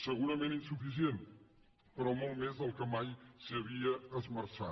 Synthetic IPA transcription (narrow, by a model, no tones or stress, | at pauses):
sɨɣuɾɐmẽnt̪ĩsufis̬iẽnt̪ | pɐɾɔmalˠmezɐlˠkɐmajsɨɐβiɐɐzmɐɾsa̰